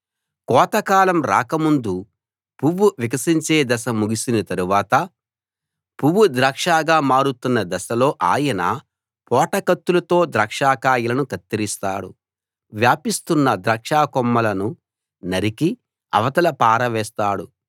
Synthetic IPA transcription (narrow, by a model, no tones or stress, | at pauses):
kɔːt̪ɐkaːlɐmɾa̰ːkɐmund̪u | puʋuʋikɐsiɲt͡ʃeːd̪ɐsɐmuɡisinɐt̪ɐɾuʋaːt̪ɐ | puʋud̪ɾaːkʂaːɡaːmaːɾut̪unːɐd̪ɐsɐlo̞ːʔaːjɐna̰ː | pɔːʈɐkɐt̪ːulɐt̪o̞ːd̪ɾɐːkʂaːkaːjɐlɐnukɐt̪ːiɾist̪aːɽṵ | ʋjaːpist̪unːɐd̪ɾɐːkʂaːkɔmːɐlɐnu | nɐɾiki | ɐ̰ʋɐt̪ɐlɐpaːɾɐʋɛːst̪aːɽu